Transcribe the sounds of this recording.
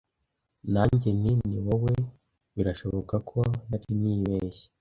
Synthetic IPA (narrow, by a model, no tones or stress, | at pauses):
naːɲɟeniniwowe | βiɾaʃo̞βo̞kakʰonaɾiniːβeːʃe̥